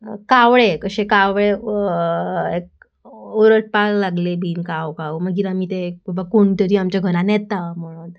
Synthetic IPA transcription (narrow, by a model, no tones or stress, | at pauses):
kaʋɭekəɕẽkaʋɭe | ek̚ | oɾəʈ̚pallːaɡlebʱiːnkawkaʋməɡiːɾamiːt̪ek̚babakoɳt̪əɾiːamt͡ɕaɡʱəɾãnjɛt̪am̤əɽ̃uːn